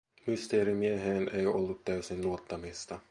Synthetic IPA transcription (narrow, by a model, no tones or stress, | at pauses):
myst̪e̞ːɾimieɦeːne̞jo̞lːut̪ːæysinluot̪ːɑmist̪ɑ